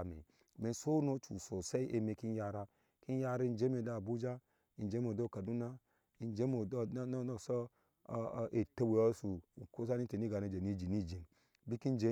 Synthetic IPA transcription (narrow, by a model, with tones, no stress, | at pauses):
mḛ˨ | me˨nso˦no˦t͡ʃu˨so˨se˦i˦ʔe˨me˨ki˦ja˦ɾa˦ | ki˦n˦ja˦ɾa˦i˦d͡ʒe˦me˨da˦˨bu˦d͡ʒa˦ | i˨n˨d͡ʒe˦mo˨do˦˨ka˨du˦na˦ | i˨nd͡ʒe˦mo˨dn˦n˦so˦˨ | ʔe˨te˦be˨o˦su˨ko˦s̬a˦ni˦te˨ni˦ɡa˨ne˦˨d͡ʒe˨ni˦d͡ʒi˨ni˦d͡ʒi˨n | bi˦ki˦nd͡ʒe˦